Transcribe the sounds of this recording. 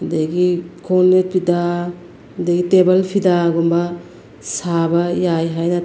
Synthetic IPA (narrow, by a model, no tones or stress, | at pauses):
hɐdɐɡikʰonːet̚pʰida | hdɐɡitebɐlpʰidaɡombɐ | sabɐjajɦajnɐ